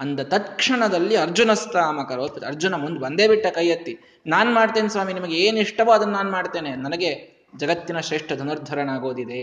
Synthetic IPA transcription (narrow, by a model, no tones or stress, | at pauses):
ɐnd̪ɐt̪ɐt̪kʂɐɳɐd̪ɐlːiɐɾd͡ʒunɐst̪ʰaːmɐkɐɾoːpːɐt̪ɐɾd͡ʒunɐmund̪bɐnd̪e̞ːbiʈːɐkɐjɐt̪ːi | naːnmaːɖt̪eːnsʋaːminimɐɡeeːniʂʈɐʋoːɐd̪ɐnːaːnmaːɖt̪e̞ːnenɐnɐɡe̞ | d͡ʒɐɡɐt̪ːinɐʃɾeːʂʈʰɐd̪ʱɐnɐɾd̪ʱɐɾɐnaːɡo̞ːd̪id̪e̞